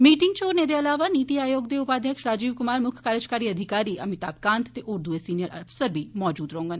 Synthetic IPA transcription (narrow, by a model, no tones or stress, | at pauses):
miːʈɪŋɡt͡ʃoːɾneːd̪eːəlaːʋaːniːt̪iːaːjoːɡd̪eːʊpaːd̪ʱjəkʃɾaːd͡ʒiːʋkʊmaːɾmʊkʰkaːɾət͡ʃkaːɾiːəd̪ʱɪkaːɾiːʔəmɪt̪aːp̚kãːnt̪t̪eʔʊɾd̪ueːsiːnɪjəɾʔəpsəɾbʱiːmɔːd͡ʒuːd̪ɾəɦõːŋɡən